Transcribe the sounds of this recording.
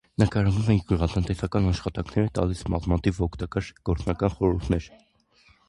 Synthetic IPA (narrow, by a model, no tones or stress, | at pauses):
nəkɑɾɑnumɛŋkɡəʁɑt̪ənt̪ɛsɑkɑnɑʃχɑt̪ɑŋkʰnɛɾət̪ɑ̰lismɑzmɑt̪ʰivɔkʰt̪ɑkɑɾɡ̥ɔɾt͡snɑkɑnχɔɾuɾt̪ʰnɛɾ